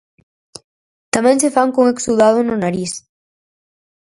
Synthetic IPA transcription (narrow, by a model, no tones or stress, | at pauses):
t̪amɛ̃ŋsefaŋkoŋeksuðaðʊnonaɾis